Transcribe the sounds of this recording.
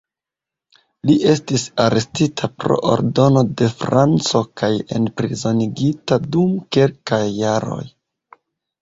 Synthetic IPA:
liʔe̞stisaɾe̞stitʰapɾo̞̰ʔo̰ɾdo̞no̞de̞fɾant͡so̞kaje̞̰npɾizo̞niɡitadumkelkajːaɾo̞̰j

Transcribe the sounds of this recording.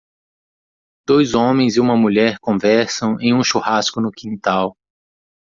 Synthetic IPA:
d̪̥ojzõmẽj̃zɪũmɐmuʎɛɾkõvɛɾsɐ̃w̃ẽj̃ũʃuhaskʊnʊkĩnt̪aw

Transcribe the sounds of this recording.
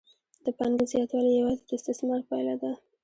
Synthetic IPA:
d̪əpaŋɡəzjɑt̪wɑlihewɑd̪p̪əɪst̪ɪsmɑɾpajlad̪a

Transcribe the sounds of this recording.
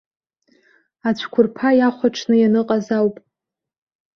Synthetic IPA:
at͡ɕʷʰkʷʰʊrpʰajaχʷaʈ͡ʂʰnɨjanɨqʼazawpʼ

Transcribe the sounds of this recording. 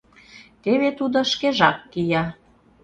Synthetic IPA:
t̪eβet̪ud̪oʃkeʒɑkːijɑ

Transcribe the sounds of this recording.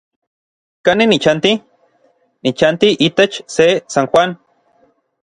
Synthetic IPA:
kaninit͡ʃant̪i | nit͡ʃant̪iʔit̪et͡ʃsesanxʷan

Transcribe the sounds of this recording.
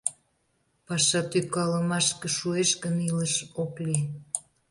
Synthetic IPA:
pɑʃɑt̪ykɑləmɑʃkəʃueʃɣəniləʃokli

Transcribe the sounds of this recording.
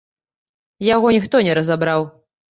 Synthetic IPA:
jaɣɔnʲixt̪ɔnʲɛɾɐzabɾaw

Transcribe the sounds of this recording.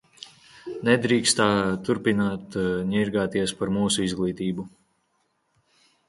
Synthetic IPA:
nɛd̪ɾiːkst̪aːt̪uɾpinaːt̪ɲɛɾɡaːt̪iɛspaɾmuːsuizɡlˠiːt̪iːbu

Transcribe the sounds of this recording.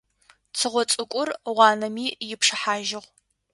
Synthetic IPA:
t͡sʰɨʁʷɔt͡sʼɨkʷʼʊrʁʷɑːnɐmiːjɪpʂɨħaːʒɪʁʷ

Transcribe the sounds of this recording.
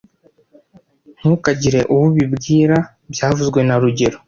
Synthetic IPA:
ŋ̥hukaɟiɾe̞ʔuβuβibɡiːɾa | bjaːvuzɡwe̞naɾuɟe̞ɾo

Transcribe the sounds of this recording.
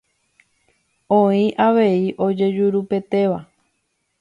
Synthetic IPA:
õĩʔaʋe̞iʔo̞d͡ʒe̞d͡ʒuɾupe̞t̪e̞ʋa

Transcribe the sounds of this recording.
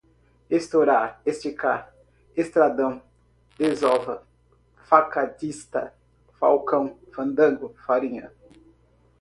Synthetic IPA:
est̪oɾaest͡ʃika | est̪ɾad̪ɐ̃w̃ | d̪ezɔvɐ | fakat̪ist̪ɐ̰ | fawkɐ̃w̃fɐ̃nd̪ɐ̃ŋɡʊfaɾĩɲɐ

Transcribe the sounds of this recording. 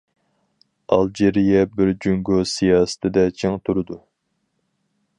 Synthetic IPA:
ɑlˠd͡ʒeɾijɛbɪɾd͡ʒyŋɡosijɑːsɨ̥t̪ʰɪd̪ɛt͡ʃʰeŋt̪ʰuɾɨd̪u

